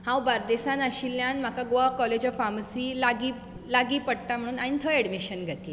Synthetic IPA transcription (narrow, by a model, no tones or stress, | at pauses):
hãwbaɾd̪esãnaɕilːjanm̤akaɡoakɔled͡ʑəfamsiːlaɡi | laɡiːpəɽ̚t̪am̤əɽ̃uːnaɽ̃it̪ʰəɛɽmiɕənɡʱat̪il